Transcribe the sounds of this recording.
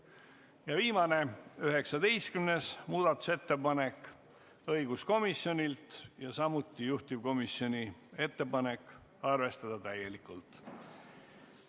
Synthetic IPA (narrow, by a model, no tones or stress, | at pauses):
jɑviːmɑne̞yɦe̞ksɑd̪̥e̞jskymne̞smuːd̪̥ɑt̪ːˑu̥se̞t̪ːe̞pɑne̞kːˑ | ɤjɡ̥usko̞misːjo̞nʲilt̪jɑsɑmut̪ːˑijuht̪ivko̞misjo̞nʲie̞t̪ːe̞pɑne̞kːˑ | ɑrve̞st̪ɑd̪̥ɑt̪æje̞likːˑult̪ˑ